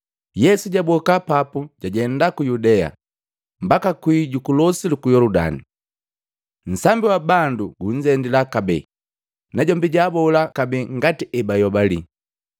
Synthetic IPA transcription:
jɛsuɟabɔkapapuɟaɟɛndakujudɛa̰ | mbakakwiɟukulɔsilikujɔluda̰ni | n̩sambiwabanduɡuɲ̩d͡ʒɛndilakabɛ̰ | naɟɔmbiɟabɔlakabɛŋɡatiʔɛbajɔbalḭ

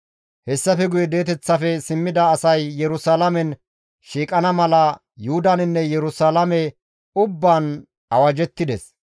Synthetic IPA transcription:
hɛsːɐfɛɡʊjɛd̪e̞ːt̪ɛt͡sːɐfɛsɪmːɪd̪ɐːsɐjːɛɾʊsalɐmɛn | ʃiːkʼɐnɐmɐlɐ | jʊhʊd̪ɐnɪnːɛjɛɾʊsaːlɐmɛ | ʊbːaːn | ɐwɐd͡ʒɛt̪ːɪd̪ɛs

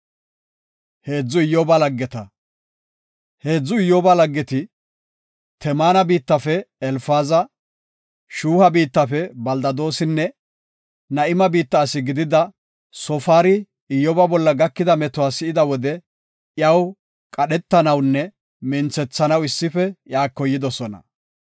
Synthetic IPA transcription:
he̞ːd͡zːʊɪjːɔbɐlɐɡːɛt̪ɐ | he̞ːd͡zːʊɪjːɔːbɐlɐɡːɛt̪ɪ | t̪ʰɛmaːnɐbiːt̪ːɐfɛɛlfaːzɐ | ʃuːhɐbiːt̪ːɐfɛbɐld̪ɐd̪o̞ːsɪnːɛ | nɐʔɪmɐbiːt̪ːɐːsɪɡɪd̪ɪd̪ɐ | sɔfaːɾɪ | ɪjːɔbɐbɔlːɐɡɐkːɪd̪ɐmɛt̪ʊwaːsɪɪd̪ɐwɔd̪ɛ | jɐw | kʼɐɗɛt̪ːɐnɐwnːɛ | mɪnt͡sɛt͡sːɐnɐwɪsːɪfɛjaːkːɔjːɪd̪ɔsɔnɐ̰

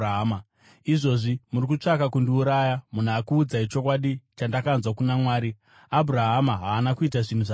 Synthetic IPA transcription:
ɦma | iʐo̞ʐimuɾikut͡ʂakakundiuɾajamun̤uakuːd͡zait͡ʃo̞kwaɗit͡ʃandakanzwakunamwaːɾi | abʱuɾaɦamaɦaːnakuitaʐin̤uʐa

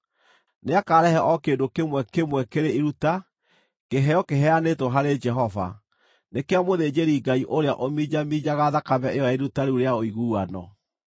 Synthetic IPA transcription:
neakaːɾɛhɛʔɔkeːndokemwɛkemwɛkeɾeiɾuta | keɦɛjɔkeɦɛanetɔɦaɾed͡ʒɛɦɔva̰ | nekeamoðeːd͡ʑeɾiːɡaiʔoɾeaʔomid͡ʑamid͡ʑaɣaðakamɛejɔaiɾutaɾuɾeaoiɣuːanɔ̰

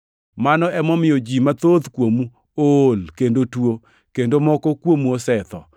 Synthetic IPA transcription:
manɔɛmɔmɪjɔd͡ʒimat̪ot̪kwomu | olkendotwo | kendomɔkɔkwomuosɛt̪ɔ

